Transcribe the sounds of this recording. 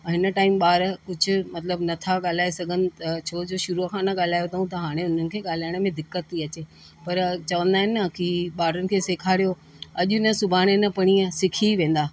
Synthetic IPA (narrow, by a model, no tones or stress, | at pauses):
ɦɪnəʈaːɪmɓaːɾkʊd͡ʑʱʊ̆mɐt̪ləbnɐt̪ʰaɠaːl̤aːesɐɡʱənɪ̆t̪ɐt͡ɕʰoːd͡ʑoːʃʊɾukʰãːnɐɠaːl̤aːjot̪ʰɐɦũt̪ɐɦaːɽ̃eʊn̤ənɪ̆kʰeːɠaːl̤aːɪɽ̃mẽd̪ɪkːət̪ːiɐt͡ɕeː | pɐɾt͡ɕɐʋə̃nd̪aːɦɪnːɐkiɓaːɾənɪ̆kʰeːseːkʰaːɽijo | ɐʄʊɪnə̆sʊbʱaːɽ̃enɐpɐɽ̃iə̃sɪkʰiʋẽːn̆d̪aː